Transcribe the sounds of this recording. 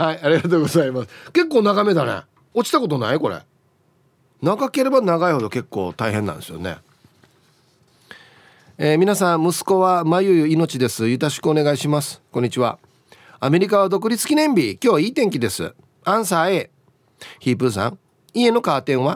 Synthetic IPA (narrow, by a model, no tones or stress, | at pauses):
haiaɾʲiɡat̪oːɡo̞zaimasɨ̥ke̞kːo̞ːnaɡame̞d̪anḛ | o̞t͡ɕi̥t̪ako̞t̪onaiko̞ɾḛ | naɡake̞ɾe̞banaɡaiho̞d̪o̞ke̞kːo̞̰ːt̪aiɦẽ̞nːã̰nd̪esɨjo̰ne̞̰ | eːmʲinasãmɯ̟sɨ̥ko̞βamajɯjɯino̞t͡ɕid̪e̞sɨjɯ̟t̪aɕi̥kɯone̞ɡaiɕimasɨ̥kõɲ̟ːit͡ɕiβa̰ | ame̞ɾʲikaβad̪o̞k̬ɯ̟ɾʲit͡sɨ̥kʲinẽ̞mbʲikʲo̞ːiːt̪ẽ̞ŋk̬ʲid̪e̞sɨ̰ | ãɰ̃s̬aːe̞ | çiːpɯ̟s̬ã̰ŋ | ie̞no̞kaːt̪ẽ̞ɰ̃βa